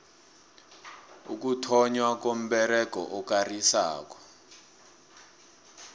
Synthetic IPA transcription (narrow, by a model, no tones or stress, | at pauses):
ṵk̬utʰɔɲwak̬om̩ɓɛɾɛkɔ̰ʔɔk̬ʼarisa̰ːk̬ɔ̥